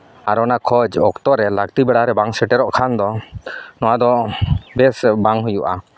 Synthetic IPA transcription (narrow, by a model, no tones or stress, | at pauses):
aɾɔnakʰɔd͡ʒɔkt̪ɔɾɛlakt̪ibɛɽaɾɛbaŋsɛʈɛɾɔʔkʰand̪ɔnɔwad̪ɔbɛsbaŋɦujuʔa̰